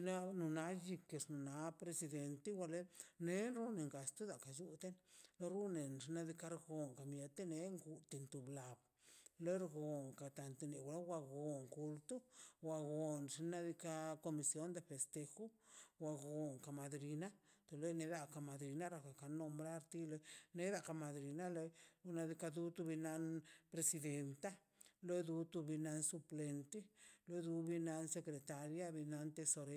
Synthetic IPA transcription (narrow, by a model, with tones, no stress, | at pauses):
na˦nu˨na˧˦d͡ʒi˧ke˧˨snu˨na˨˦pɾe˧si˧d̪e˨nt̪e˦wa˧le˦ne˦nɾu˦ne˨ŋɡa˨st̪u˦d̪a˨ka˨d͡ʒu˦t̪e˦nlo˦ɾu˦ne˨nʐi˧na˦d̪i˧ka˦ɾɡo˨ŋka˨mje˨t̪e˦ne˧˦ŋɡu˨t̪i˧nt̪u˨bla˨b | le˦ɾɡo˨ŋka˨t̪a˨nt̪e˧ne˨wʷla˦wa˧ɡo˨ŋku˧lt̪u˦wa˨ɡo˨nʐi˧na˦d̪i˧ka˦ko˧mi˧sjo˦nd̪e˧˨fe˨st̪e˧xo˦wa˧ɡo˨ŋka˨ma˨d̪ɾi˧na˦t̪o˨lo˦jne˧ɾa˧ka˧˨ma˨d̪ɾi˧na˦ɾa˧ka˨ka˨no˧mbɾa˦ɾt̪i˦lo˧ne˦ɾa˦˨ka˧˨ma˨d̪ɾi˨na˦lo˧na˧d̪i˧ka˧d̪u˦t̪u˧bi˧na˧npɾe˧si˧d̪e˧nt̪a˦ | lo˦jd̪u˧t̪u˧bi˧na˧nsu˧ple˧nt̪i˦lo˦jd̪u˧bi˧na˧nse˧kɾe˨t̪a˧ɾja˦bi˧na˧nt̪e˧so˧ɾe˦